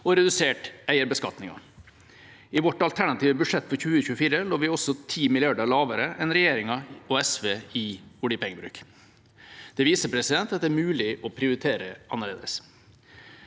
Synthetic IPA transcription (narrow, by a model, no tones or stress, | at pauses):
ɔɾɛd̪ʉseːʈæɪəɾbəskɑ̰t̪nɪŋɑ̰ | ɪʋɔʈːɑlt̪ʰæɳɑt̪iːʋəbʉʂɛt̪ːfɔɾçʉːəəçʉːəfiːɾəloːʋɪɔsɔt̪ʰiːmɪlɪɑɖəɭɑːʋəɾəʔɛnɾɛjeːɾɪŋɑɔɛsʋeːɪʊɖiːpʰɛŋːəbɾʉ̰ːk | d̪̥ɛʋiːsəpʰɾɛsɪd̪ɛnt̪ɑt̪̚d̪ɛæːɾmʉːlɪʔɔpʰɾɪʊɾɪt̪ʰeːɾəʔɑnːəɭḛːd̪ə̰s